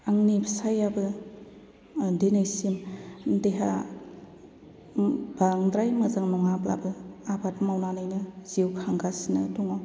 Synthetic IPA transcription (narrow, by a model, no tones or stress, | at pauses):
aŋnipʰsajabɯ | denajsimdeɦa̰ | baŋdɾajmɯzaŋnɔŋapla̰bɯabatmawnanɯjnɯz̥iwkʰaŋɡasinɯduŋaw